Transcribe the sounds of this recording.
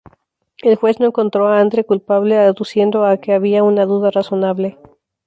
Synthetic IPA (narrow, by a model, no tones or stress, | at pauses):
e̞lxwe̞zno̞eŋko̞nt̪ɾo̞aand̪ɾekulpaβle̞ðusje̞nd̪o̞ake̞aβiaunaðuðaraso̞naβle̞